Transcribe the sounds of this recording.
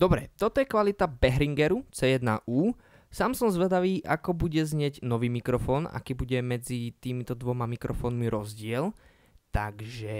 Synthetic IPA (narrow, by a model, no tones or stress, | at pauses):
d̪ɔbɾɛ̰t̪ɔt̪ɔjɛkʋalit̪abɛɦɾiŋɡɛɾut͡sɛːjɛd̪na̰ʔuː | saːmsɔmzʋɛd̪aʋiːʔakɔbuɟɛzɲɪɛɟnɔʋiːmikɾɔfɔːna̰kiːbuɟɛmɛd͡zit̪iːmit̪ɔd̪ʋɔmamikɾɔfɔːnmiɾʔɔzɟɪɛl | t̪aɡʒɛ